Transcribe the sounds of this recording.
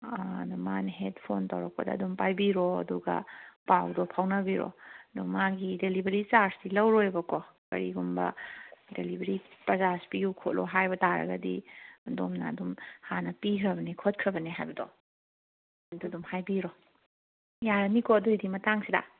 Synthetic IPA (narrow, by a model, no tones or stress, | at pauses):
dumanɐɦet̚pʰontɐ̰wɾɐk̚pɐdɐ̰ːdumpajbiɾoɐ̰duɡɐ̰pawdɔpʰawnɐbiɾo̰ɐduŋmaɡidelibeɾit͡ʃaɾsilɐwɾojbɐko | kɐ̰ɾiɡumbɐ̰delibeɾipɾɐzasi̥pijukʰot̚lʔo̰ɦajbɐtaɾɐ̰ɡɐ̰dḭdomnɐ̰ɐ̰dumhanɐpikʰɾɐbɐnikʰot̚kʰɾɐbɐniɦajbɐdo̰ | ɐdudumhajbiɾo | jaɾɐnikoɐduidimɐtaŋsidɐ̰